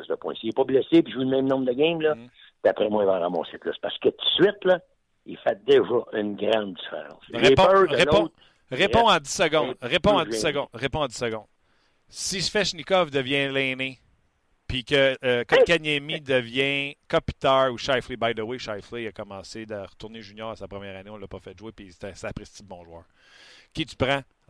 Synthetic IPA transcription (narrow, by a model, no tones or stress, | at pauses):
zd̪əpwɛ̰̃siepɔblɛsepiʒuləmɛ̃mnɔ̃bd̪əɡʲɛ̃jmlɔ | piapʁɛmwaivaʁamɔ̰̃sɪt̪lɔspaʁsə̥kət̪u̥sɥɪt̪lʌ | ifɛt̪̚d̪eʒʌʔynɡʁɑ̃d̪̚d͡zi̥fḛʁɑ̰̃sʁepɔ̃d̪ʁelpɔ̃ | ʁepɔ̃ɑ̃d͡zi̥səɡɔ̃d̪ʁepɔ̃ɑ̃isəɡɔ̃ʁepɔ̃ɑ̃d͡z̪i̥səɡɔ̃d̪ | siʃfɛʃnikɔvd̪əvjɛ̃lɛːne | pikʲəːkãkʲanjɛmid̪əvjɛ̃kɔpi̥t̪ɑːuʃajflibajd̪əweʃajfliiɐkɔmɑ̃sed̪əʁət̪uʁneʒynjɑːʁasapʁəmjæːʁaneɔ̃lːɐpɔfɛt̪ʒwepist̪ɛsɛpʁest̪id̪̚bɔ̃ːʒwɑːʁkʲit̪y̥pʁɑ̃